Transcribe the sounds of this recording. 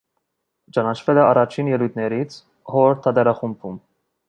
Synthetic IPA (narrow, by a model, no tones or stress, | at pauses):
t͡ʃɑnɑt͡ʃʰvɛlɛɑrɑt͡ʃʰinjɛlujt̪ʰnɛɾit͡sʰ | hɔɾt̪ʰɑd̪ɛɾɑχumpʰum